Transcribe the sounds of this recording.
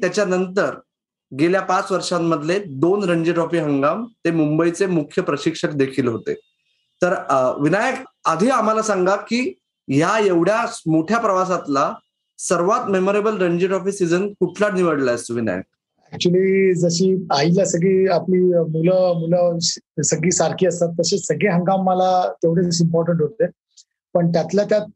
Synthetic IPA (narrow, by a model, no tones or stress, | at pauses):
t̪jat͡ɕjanənt̪əɾ | ɡeljapat͡sʋəɾʂamːəd̪ʱled̪onɾəɲd͡ʑiʈɔfiːɦəŋɡamt̪emumbəit͡semukʰjəpɾəɕikʂəkd̪ekʰiːlɦot̪ḛ | t̪əɾʋinajəkad̪ʱiːam̤alasaŋɡakiː | ɦjajeʋɽjamoʈʰjapɾəʋas̬at̪la | səɾʋat̪memoɾebəlɾəɲd͡ʑeʈɔfisːid͡zənkuʈʰlaʈniʋəɽlaəst̪oʋina̰jə̰k̚ | ɛk̚t͡ɕuəliːd͡zəɕiːailasəɡɭiːapliːmuləmuləsəɡɭiːsaɾkiːəst̪at̪ːəsesəɡɭeɦəŋɡamːəlat̪eʋɽesimpɔɾʈəɳʈɦot̪le | pəɳt̪jat̪ljat̪jat̪̚